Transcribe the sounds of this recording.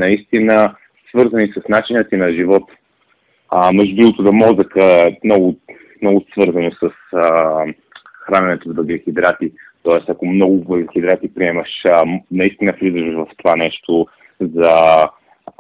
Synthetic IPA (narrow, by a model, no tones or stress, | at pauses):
nɐist̪inə | svɤɾzənisəsnat͡ʃinət̪inɐʒivɔt̪ | mɛʒb̪ilˠot̪ʊd̪ɐmɔzəkəɛmnɔɡʊ | mnɔɡʊsvɤɾzɐnosəs | xɾanɛnɛt̪ovəɡɛxʲid̪ɾat̪it̪ɔɛst̪ɐkomnɔɡʊvɛɡlixid̪ɾat̪ipɾiɛmɐʃnɐist̪inəflʲizəʃvɐft̪ovanɛʃt̪o | zɐ